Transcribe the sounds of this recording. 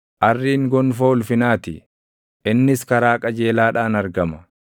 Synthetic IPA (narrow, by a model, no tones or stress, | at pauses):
ʔɐrːiːŋɡɔnfoːʊlfɪnaːt̪ɪ | ʔɪnːɪskɐɾaːkʼɐd͡ʒe̞ːlaːᶑaːnɐɾɡɐmɐ